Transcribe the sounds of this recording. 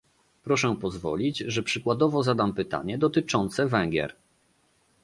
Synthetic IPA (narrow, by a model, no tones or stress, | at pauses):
pɾɔʂɛpɔzvɔ̰lʲid͡ʑʐɛpʂɘkwad̪ɔvɔzad̪ampɘt̪a̰ɲɛd̪ɔt̪ɘt͡ʂɔnt̪sɛvɛ̃ŋɡʲjɛ̰ɾ